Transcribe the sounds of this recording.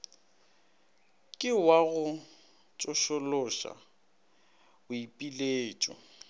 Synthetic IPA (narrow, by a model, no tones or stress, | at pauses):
kʼɪwaɣʊ | t͡ʃʼʊʃʊlʊʃa̰ | ʊipʼileːt͡ʃʼɔ̰